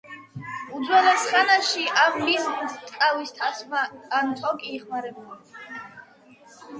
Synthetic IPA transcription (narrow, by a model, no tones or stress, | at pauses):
ud̪zwɛlɛsχanaʃiʔaʁmilt̪ʼkʼawist̪ʰasmaːnt̪ʰʼɔkʼiːχmaɾɛbuli